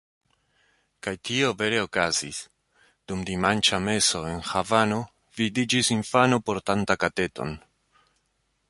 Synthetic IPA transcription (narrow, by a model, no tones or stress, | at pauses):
kajtio̞ve̞ɾe̞okazḭs | d̥umdimant͡ʃame̞so̞e̞nxavano̞ | vidid͡ʒisinfano̞po̞ɾtantakate̞to̞̰n